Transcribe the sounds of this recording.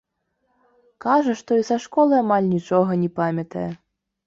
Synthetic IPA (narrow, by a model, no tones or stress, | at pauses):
kaʐɐʂt̪ɔisaʂkɔlˠɨamalʲnʲit͡ʂɔɣɐnʲɛpamʲɐt̪ɐjɛ